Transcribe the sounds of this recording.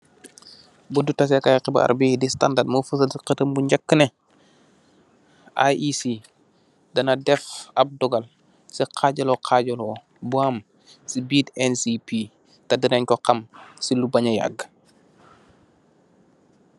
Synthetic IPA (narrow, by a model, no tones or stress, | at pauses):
budutɐs̬ɛkajqibɐ̰a̰ɾbidista̰ndat̚mufəsədiqətəmbuɲɟɐkːənɛ | ʔa̰isi | dɐnɐdɛfɐb̚dɔɡɐl | siqʰaːɟɐlɔqʰaːɟɔlɔ | buam | sibiːdɛnsipi | tɐdinɛɲkɔqɐmsilubɐɲɐja̰ɡ